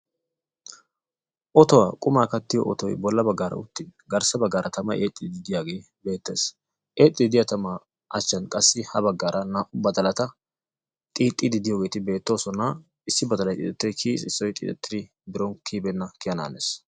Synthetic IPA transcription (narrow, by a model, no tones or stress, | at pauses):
ʔɔt̪ɔwaːkʼʊmaːkɐt̪ːɪjɔ̰ʔɔ̰t̪ɔjbɔlːɐbɐɡːaːɾɐ̰ʊt̪ːɪɡɐɾsɐbɐɡːaːɾʔɐt̪ɐmɐjʔeːt̪ʼːɪd̪ɪd̪ɪjaːɡe̞ː | be̞ːt̪ːe̞̰ːs | ʔe̞ːt̪ʼːɪd̪ɪd̪ɪjɐt̪ɐma | ʔɐt͡ʃːɐnkʼɐsːɪhɐbɐɡːaːɾʔɐnaːʔʊbɐd̪ɐlɐt̪ɐ | t̪ʼiːt̪ʼːɪd̪ɪd̪ɪjoːɡe̞ːt̪ɪbe̞ːt̪ːo̞ːsɔnɐ | ɪsːɪbɐd̪ɐlɐjt̪ʼɪ̰t̪ɛt̪ːɔjkʰiːsʼɪsːɔjt̪ʼḭːt̪ʼɛt̪ːɪd̪ɪ | bɪɾɔnkʰiːbɛnːɐkɪjɐna̰ːnḛːs